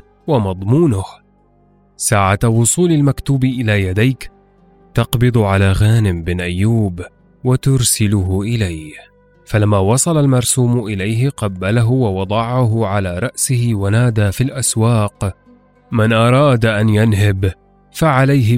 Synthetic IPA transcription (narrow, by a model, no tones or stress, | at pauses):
wamɑd̪ˤmuːnʊh | saːʕawʊsˤuːlalmakt̪uːbʔɪlaːjad̪ajk | t̪ɑqbɨd̪ˤʕalaːɣaːnɪmbɪnʔajːuːb | wat̪ʊɾˤsɪlʊɦʊʔɪlaj | falamːaːwɑsˤɑlalmɑɾˤsuːmʔɪlajɦɪqɑbːalaɦʊwɑwɑd̪ˤɑʕaɦʊʕalaːɾˤɑʔsɪhɪwanaːd̪aːfilʔaswɑːq | mɪnʔɑɾˤɑːd̪aʔanjanɦɪb | faʕalajɦɪ